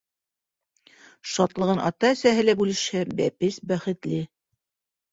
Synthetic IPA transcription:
ʃɑt̪lˠɤ̆ʁɤnʔɑ̰t̪ɑæsæɦɘ̆læbʉlɘ̆ʃhɘbæ̰pɘsbæχɘ̆t̪lɘ

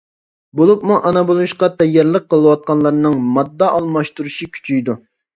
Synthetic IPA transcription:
bolˠup̚muʔɑnɑbolˠʃqɑt̪ʰɛjːɑɾlˠəq̚ːəlˠɨwɑt̪̚qɑnlˠɑɾnɨŋmɑd̪ːɑʔɑlˠmɑʃt̪uɾuʃikʲʰy̥t͡ʃʰyjd̪u

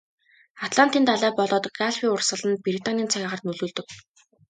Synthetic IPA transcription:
at̪ɮan̥t̪iːnt̪aɮæːpɔɮɔːt̪ɡaɮwiːʊrsə̆ɮə̆npɾit̪anʲiːnt͡sʰaɣʲaːʁə̆rt̪nɵɮuːɮt̪ɵ̆k̚

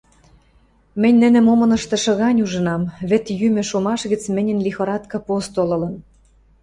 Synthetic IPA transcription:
mɘ̆nʲnɘ̆nɘ̆momɤ̆nɤ̆ʃt̪ɤ̆ʃɤ̆ɣɑnʲuʒɤ̆nɑmβɘ̆t̪jymɘ̆ʃomɑʃɣə̆t͡smɘ̆nʲə̆nlʲixoɾɑt̪kɑpost̪olɤ̆lɤ̆n

